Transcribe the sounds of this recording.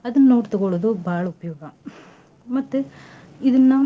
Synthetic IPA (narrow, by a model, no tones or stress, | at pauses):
ɐðɐnnoːʈt̪ːɯkoɭɐðoːbaːɭɐʊpːɐjoːɡaː | mɐt̪ːɯ | ɪðɯnaː